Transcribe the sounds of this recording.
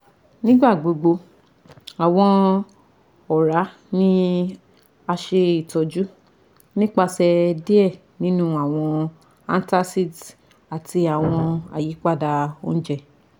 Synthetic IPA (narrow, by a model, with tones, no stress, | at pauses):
nĩ˦ɡ͡ba˦˨ɡ͡bo˨ɡ͡bo˧ | a˨w̃ɔ̃˧ | ɔ˨ɾa˨˦ | nĩ˦ | a˧ʃe˧i˨tɔ˨˧d͡ʒu˦ | nĩ˦k͡pa˧sɛ˧di˦ɛ˦˨ | nĩ˦nũ˦a˦˨w̃ɔ̃˧ | a˧n˦ta˧si˦˨d | a˨ti˧a˨w̃ɔ̃˧a̰˨ji˨˦k͡pa˦˨da˧o˦n̩˦d͡ʒɛ˦˨